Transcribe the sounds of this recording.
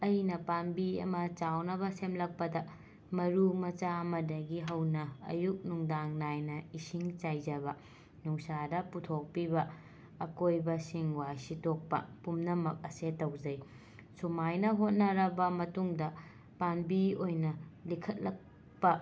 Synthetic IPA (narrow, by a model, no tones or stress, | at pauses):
ɐjnɐpanbiɐ̰mɐt͡ʃawnɐbɐsemlɐk̚pɐdɐ | mɐɾumɐt͡ʃaɐmɐdɐɡiɦɐwnɐɐ̰juk̚nuŋdaŋnajnɐisiŋt͡ʃajd͡ʒɐbɐ | nuŋsadɐputʰok̚pibɐː | kojbɐsiŋwasitok̚pɐ̰pumnɐmɐk̚ɐsetːɐwd͡ʒɐj | sumajnɐɦot̚nɐɾɐbɐmɐtuŋdɐ | panbiojnɐlikʰɐt̚lɐk̚ | pɐ